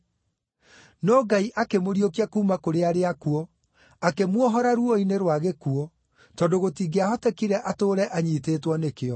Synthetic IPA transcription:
nɔːɡaiʔakemoɾiokiakuːmakoɾeaɾeakuɔ | akemwɔɦɔɾaɾuɔineɾwaɣekuɔ | tɔdoɣotiːɡeahɔtɛkiɾɛʔatoːɾɛʔaɲiːteːtwɔnekeɔ

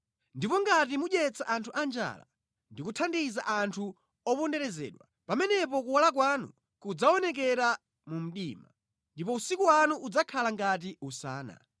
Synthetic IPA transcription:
ndipɔŋɡat̬imuɗjɛt͡saʔantʰuʔand͡ʒa̰ːla̰ | ndikutʰandiza̰ʔantʰu | ɔpɔndɛɾɛzɛ̰ːɗwa | pamɛnɛpɔk̬uwalak̬waːnṵ | kud͡zaɔnɛk̬ɛɾa | mum̩ɗiːma | ndipɔusikuwanuʔud͡zakʰalaŋɡat̬iusa̰ːna̰

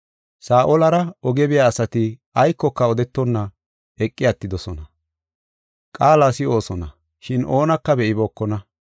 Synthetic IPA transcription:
saːʔɔlɐɾɐɔɡɛbɪjaːsɐt̪ɪ | ɐjkːɔkːɐɔd̪ɛt̪ːɔnːɐ | ɛkʼːɪjat̪ːɪd̪ɔsɔnɐ | kʼaːlaːsɪo̞ːsɔnɐ | ʃɪnʔo̞ːnɐkːɐbɛʔɪboːkːɔnɐ

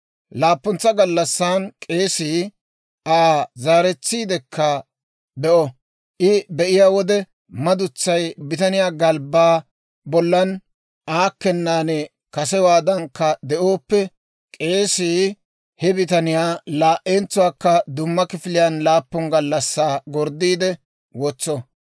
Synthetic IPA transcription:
laːpːɔnt͡sːɐɡɐlːɐsːaːnkʼe̞ːsiː | ʔaːzaːɾɛt͡sːiːd̪ɛkːɐ | bɛʔɔ | ʔɪbɛʔɪjaːwɔd̪ɛ | mɐd̪ʊt͡sːɐjbɪt̪ɐnɪjaːɡɐlbaː | bɔlːɐn | ʔaːkːɛnːaːnɛ | kɐsɛwaːd̪ɐŋkːɐd̪ɛʔo̞ːpːɛ | kʼe̞ːsiː | hɛbɪt̪ɐnɪjaːlaːʔent͡sːʊwaːkːɐd̪ʊmːɐkɪfɪlɪjɐnlaːpːɔnɡɐlːɐsːaːɡɔɾd̪ːiːd̪ɛ | wɔt͡sːɔ

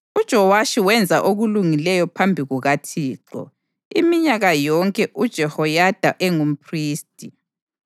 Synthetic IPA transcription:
ud̥ʒ̥ʱɔwaʃiwɛnd͡zʱaʔoɣuluŋilɛjɔpʰambʱiɣuɣatʰiːǃɔ̰ | imiɲaɣajɔŋkʼɛʔud̥ʒ̥ʱɛhɔjad̥ʱaʔɛŋum̩pʰriːstʼi

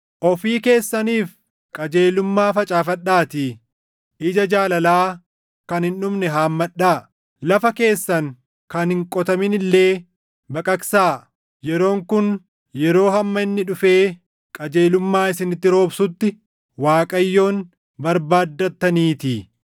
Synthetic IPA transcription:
ʔɔfiːke̞ːsːɐniːf | kʼɐd͡ʒe̞ːlʊmːaːfɐt͡ʃʼaːfɐɗaːt̪i | ʔɪd͡ʒɐd͡ʒaːlɐlaː | kɐnhɪnʊmnɛɦaːmːɐᶑːaː | lɐfɐke̞ːsːɐŋ | kɐnhɪŋkʼɔt̪ɐmɪnɪlːe̞ː | bɐkʼɐksaː | jɛɾo̞ːŋkʊn | jɛɾo̞ːɦɐmːɐɪnːɪᶑʊfe̞ː | kʼɐd͡ʒe̞ːlʊmːaːɪsɪnɪt̪ːɪɾo̞ːbsʊt̪ːɪ | waːkʼɐjːo̞ːn | bɐɾbaːd̪ːɐt̪ːɐniːt̪i

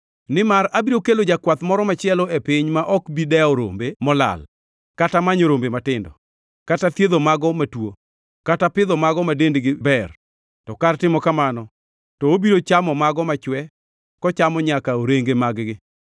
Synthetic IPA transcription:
nɪmaɾabiɾokelod͡ʒakwat̪mɔɾɔmat͡ʃɪɛlɔepɪɲmaʔɔkbidɛɔɾo̰mbemɔla̰l | katamaɲoɾombematɪndɔ | katat̪jed̪omaɡɔmatwo | katapɪðɔmaɡɔmadendɡɪbɛr | tɔkartɪmɔkamanɔ | tɔobiɾot͡ʃamɔmaɡɔmat͡ʃwɛ | kɔt͡ʃamɔɲakaoɾeŋɡemaɡɡɪ

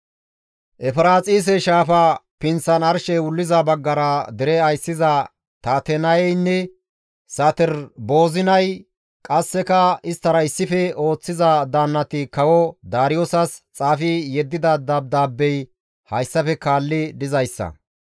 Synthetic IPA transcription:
ʔɛfɾaːt͡sʼiːs̬ɛʃaːfɐpɪnt͡sːɐnɐɾʃɛwʊlːɪzɐbɐɡːɐɾɐd̪ɪɾɛɐjsɪzɐ | t̪aːt̪ɛnɐjɛjnːɛ | sɐt̪ɪɾbo̞ːzɪnɐj | kʼɐsːɛkɐɪst̪ːɐɾɐɪsːɪfɛo̞ːt͡sːɪzɐd̪aːnːɐt̪ɪkɐwɔd̪aːɾɪjosɐst͡sʼaːfɪjɛd̪ːɪd̪ɐd̪ab̚d̪aːbːɛj | hɐjsːɐfɛkaːlːɪd̪ɪzɐjsːɐ̰

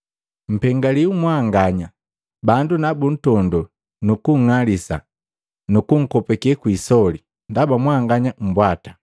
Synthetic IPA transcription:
m̩pɛŋɡaliumwaŋɡaɲa | bandunabun̩tɔndɔ | nukuŋ̩ŋalisa̰ | nukuŋ̩kɔpɛkiɛkwisɔli | ndabamwaŋɡaɲam̩bwatḁ

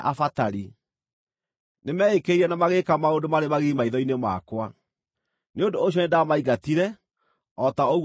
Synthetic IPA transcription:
ʔafataɾi | nemɛːekeiɾɛnamaɣekamaodomaɾemaɣimaiðɔinema̰kwa | neondoːɕ̬jɔnedamaiɣatiɾɛ | ɔtaoɣ

